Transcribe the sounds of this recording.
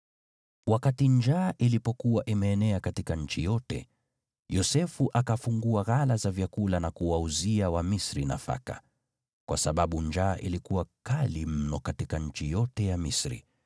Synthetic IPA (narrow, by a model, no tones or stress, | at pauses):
wakatiɲd͡ʒaːʔilipɔkuwaʔimɛːnɛakatikaɲ̩t͡ʃijɔtɛ̰ | jɔsɛfuʔakafuŋɡuaɣalazavjakulanakuwauziawamisɾina̰fa̰ka̰ | kwasaɓaɓuɲd͡ʒaːʔilikuwakalim̩nɔkatikaɲ̩t͡ʃijɔtɛjamisɾḭ